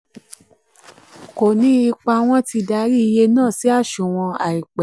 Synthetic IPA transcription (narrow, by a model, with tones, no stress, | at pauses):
ko˨nĩ˨˦i˧k͡pa˧w̃ɔ̃˦ti˧da˨˦ɾi˦i˧je˧nãː˦˨si˨˦a˦˨ʃũ˨w̃ɔ̃˧a̰˨i˨k͡pɛ˨